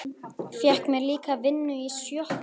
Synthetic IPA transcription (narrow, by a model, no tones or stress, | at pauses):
fjɛhkmɛðliːkavɪnːʏisjɔh